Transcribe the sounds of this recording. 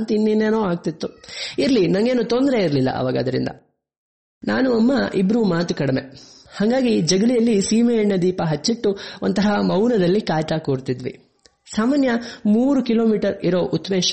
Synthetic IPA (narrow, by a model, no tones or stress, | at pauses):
ɐnt̪ɐinːineːnoːaːɡ̚t̪it̪ːuiɾlinɐŋɡe̞ːnut̪ond̪ɾeiɾlilːɐ̰ʔɐ̰ʋaːɡɐɐd̪ɐɾḭnd̪ɐ̰ | naːnuɐmːɐʔibɾumaːt̪ukɐɽime̞̰haːŋɡaːɡid͡ʒɐɡɐɭijɐlːisiːmeːɳːɐd̪iːpɐɦɐt͡ʃːiʈːuont̪ɐɦɐmɐwnɐd̪ɐlːikaːtakoːɾt̪id̪ʋḭ | saːmaːnjɐmuːɾukilo̞ːmiːʈɐɾiɾo̞ːʔut̪ːɐmeːʃ